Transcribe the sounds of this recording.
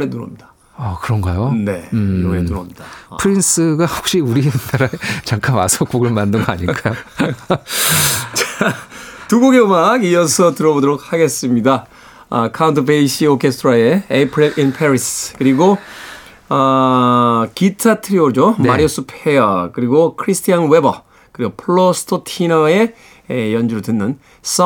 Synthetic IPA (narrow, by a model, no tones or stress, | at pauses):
ɾenuɾʌ̰mɲidḁ | ʌkɯɾʌŋɡajone̞ɾoɾenuɾʌmɲid̥apʰɯɾins͈ʰɯɡahok̚ɕ͈iuɾinaɾaet͡ɕaŋk͈ʰanwa̰sʰok͈oɡɯɭmandɯŋɡoaɲik͈ajo | t͡ɕa | tuɡoɡeomaɡijʌsʰʌtɯɾʌbodoɾok̚haɡe̞s͈ɯmɲida | kʰauntʰɯpeiɕʰiokʰe̞stʰɯɾae̞epʰɾilʔinpʰeɾiskɯɾiɡo | kitʰatʰɯɾiod͡ʑomaɾiosʰupʰejʌkɯɾiɡokʰɯɾisʰtʰijanwe̞bʌ | kɯɾiɡopʰɭːosʰɯ̥tʰotʰinʌe̞ | jʌnd͡ʑuɾɯtɯnːɯn | s͈